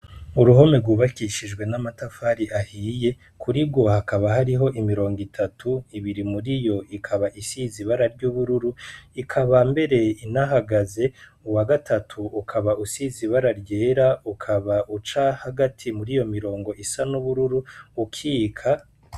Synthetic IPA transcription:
uɾuɦo̞meɾɡwuːβakiʃid͡ʒɡwe̞namatafaɾiʔahije̞ | kʰuɾib̚ɡo̞hakaβaɦaɾiɦo̞ʔimiɾo̞ːŋɡitʰatʰuiβiɾimuɾijo̞ʔikʰaβaʔisiziβaɾaɾɟuːβuɾuɾuikʰaβambe̞ɾe̞inaɦaɡaze̞uwaɡatʰatʰuukʰaβaʔusiziβaɾaɾɟe̞ːɾaukʰaβaʔut͡ʃahaɡatʰimuɾijo̞miɾo̞ːŋɡo̞ʔisanuβuɾuɾuːkʰiːkʰa

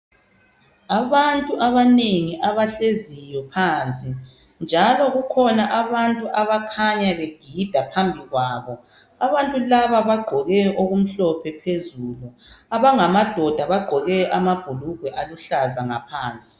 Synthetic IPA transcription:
aβantʼuʔaβaneŋiʔaβaɬezijɔpʰaːnt͡sʼi | nd͡ʒʱalɔɣukʰɔnaʔaβantʼuʔaβakʰaɲaβeɡ̥ʱid̥ʱapʰambʱiɣwaːβɔ | aβantʼulaβaβaɡ͡ǃʱɔɣɛjɔʔoɣum̩ɬɔpʰɛpʰezuluaβaŋamad̥ʱɔd̥ʱaβaɡ͡ǃʱɔɣɛjɔʔamab̥ʱuluɡ̥ʱwɛʔaluɬazaŋapʰaːnt͡sʼi̥

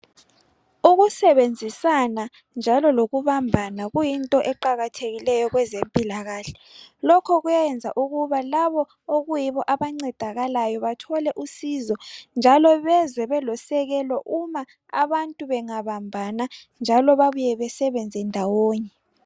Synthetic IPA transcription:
uɣusɛβend͡zʱisana | nd͡ʒʱalɔloɣuβambʱanaɣujintʼɔʔɛǃaɣatʰeɣilɛjɔɣwɛzempʼilaɣaːɬɛ̥ | lɔkʰɔɣujajɛnd͡zʱa̰ʔuɣuβalaβɔ | oɣujiβɔʔaβaŋ͡ǀɛd̥ʱaɣalajɔβatʰɔlɛʔusizɔnd͡ʒʱalɔβɛzwɛβɛlɔsɛɣɛlɔʔuma | a̰βantʼuβɛŋaβambʱana | nd͡ʒʱalɔβaβujɛβɛsɛβɛnd͡zʱɛndʱawoːɲɛ

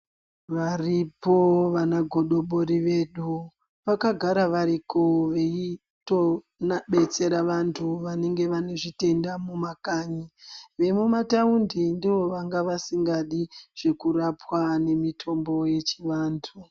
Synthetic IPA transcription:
ʋaripoʋanaɡʱo̞ɗo̞ɓoɾiʋe̞ɗu | ʋakaɡʱaɾaʋaɾikoʋe̞i | to̞ | naɓe̞t͡se̞ɾaʋantʰuʋane̞ŋɡe̞ʋane̞ʐite̞ndamumakaɲiʋe̞mumataundindiʋo̞ʋaŋɡaʋasiŋɡaɗiʐ̥e̞kuɾapwane̞mitʰo̞mbo̞je̞t͡ʃiʋaːntʰu

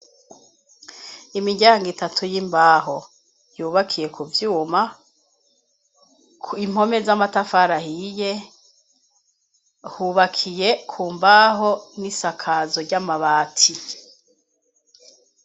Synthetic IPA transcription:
imiɟaːŋɡitatʰujimbaːɦo̞ | juːβakʰije̞kuvjuːma | kim̥ho̞mezamatafaɾahije | huβakʰijekʰuːmbaːɦonisakʰaːzo̞ɾɟamaβaːtʰi

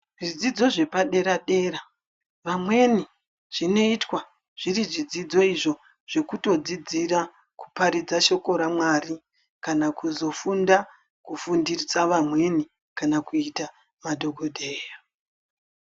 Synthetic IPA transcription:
ʐid͡zid͡zo̞ʐe̞paɗe̞ɾaɗe̞ːra | ʋamwe̞ni | ʐ̥ine̞itwa | ʐ̥iriʐid͡zid͡zo̞iʐo̞ | ʐ̥e̞kuto̞d͡zid͡zira | ku̥paɾid͡zaʃo̞ko̞ɾamwari | kanakuzo̞funda | kufundirit͡saʋamwe̞ni | kanakuita | madʱo̞ɡʱo̞dʱeːjo

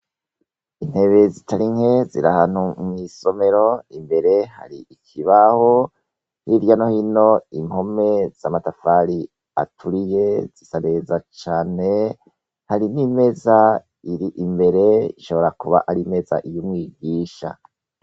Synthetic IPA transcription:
inhe̞βezitaɾiŋhe̞ziɾahan̥humiːso̞me̞ɾo̞imbe̞ɾe̞ha̰ɾiikʰiβaho | hiɾjano̞hino̞imho̞me̞z̥amatafaɾi | a̰tʰuɾije̞z̥isane̞zat͡ʃaːne̞ | haɾinime̞za | iɾiʔimbe̞ɾe̞iʃo̞βo̞ɾakuβa̰ʔaɾime̞za̰ʔijumŋiːɡiːʃa̰

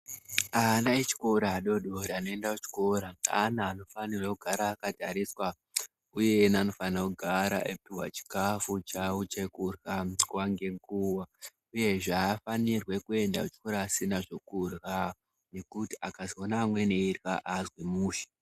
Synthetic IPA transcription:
anait͡ʃi̥ko̞ɾaːɗo̞ɗo̞ɾeano̞e̞ndakut͡ʃi̥ko̞ɾaa̰naːno̞fanirwakuɡʱaɾaːkadʱaɾiswa | uje̞nano̞fanirakuɡʱaɾa̰ʔepiwa̰t͡ʃi̥kafut͡ʃaut͡ʃekurɣakwaŋɡe̞ŋɡuwa | uje̞ʐeːfanirwe̞kue̞nda̰ut͡ʃi̥ko̞ɾaːsinaʐo̞kurɣa | ne̞kutiakazonaːmwe̞neirwa̰ʔazwemuːʃḁ

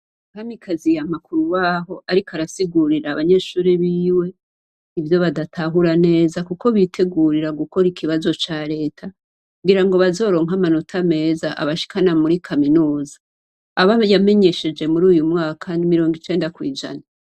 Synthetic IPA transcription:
uhamikʰazijamakuɾuwaːɦo̞ʔaɾikaɾasiɡuɾiɾaːβaɲe̞ːʃuːɾiβiːwe̞ | ivjo̞βadatʰaɦuɾane̞ːzakuko̞βitʰe̞ɡuɾiɾaɡuko̞ɾikʰiβazo̞t͡ʃaɾe̞ːtʰa | kkuɡiɾaŋɡo̞βazo̞ːɾo̞ːŋɦamanotʰame̞ːzaʔa̰βaʃi̥kʰanamuɾikʰaminuːzḁː | βajame̞ɲe̞ʃe̞d͡ʒe̞muɾuːjumŋaːkʰanimiɾo̞ːŋɡit͡ʃe̞ːndakwiːd͡ʒa̰na

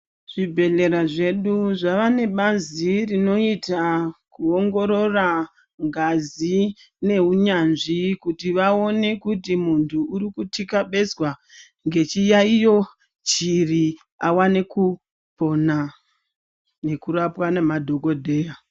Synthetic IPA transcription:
ʐ̥ibʱe̞ɮe̞ɾaʐe̞ɗuʐaʋane̞ɓazirino̞itakuoŋɡo̞ɾo̞ra | ŋɡazi | ne̞ɦuɲanʐikutiʋao̞ne̞kut̬imuntʰuːɾikutʰikaɓe̞zwa | ŋɡe̞t͡ʃijaijo̞ | t͡ʃiri | awane̞ku | po̞na | ne̞kurapwanemadʱo̞ko̞dʱe̞ːja

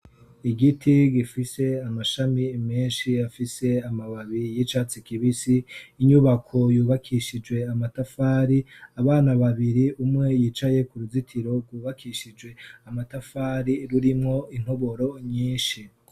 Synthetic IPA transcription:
iɡitʰiɡifise̞amaʃamimeːnʃiafise̞amaβaβijit͡ʃaːt͡sikiβisiːɲuβakʰo̞juːβakʰiʃid͡ʒwe̞amatafaːɾiaβaːnaβaβiɾiʔumŋe̞jiːt͡ʃaje̞kuɾuzitʰiɾo̞ɡwuːβakʰiʃid͡ʒwe̞amatafaːɾiɾuɾimŋo̞in̥hoβo̞ɾo̞ɲiːnʃi

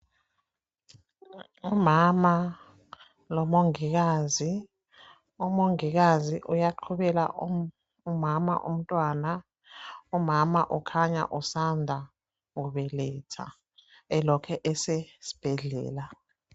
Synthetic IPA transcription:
umama | lɔmoŋik̬aːzi | umoŋik̬aziʔujaǃʰuɓɛla̰ | umama̰ʔṵm̩tʼwaːna | umamaʔukʰaɲa̰ʔusandʱa | ŋuɓɛlɛtʰa̰ | ɛlɔkʰɛʔɛsesi̥b̥ʱɛɮɛ̰ːla

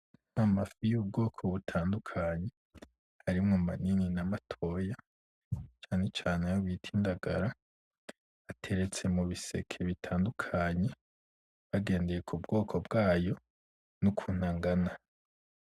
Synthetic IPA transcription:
n̥amafijuːb̚ɡo̞ːkʰoβutʰaːndukʰaɲe̞ | haɾimŋomanininamatʰo̞ja | t͡ʃaːne̞t͡ʃaːnejoβitʰiːndaɡaɾa | atʰe̞ɾe̞t͡se̞muβise̞kʰe̞βitʰaːndukʰaɲe̞ | βaɡe̞ːnde̞je̞kʰubɡo̞ːkʰo̞bɡaːjo̞ | nukʰuːn̥aŋɡana

